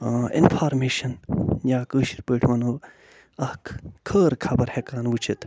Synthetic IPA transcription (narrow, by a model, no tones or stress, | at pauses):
ɪ̰nfʰaːɾmeːʃɐnjaːkəːʃiɾpəːʈʰʋɐnoː | ɐhkkʰəːɾkʰɐbɐɾhekaːnʋut͡ʃʰit̪